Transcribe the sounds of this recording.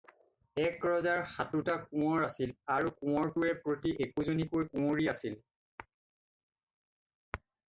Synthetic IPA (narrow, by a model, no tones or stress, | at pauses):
ɛkɹɔzaɹxatutakũɔɹasilaɹukʊ̃ɔɹtʊɛpɹotiʔekuzonikujkũoɹiasil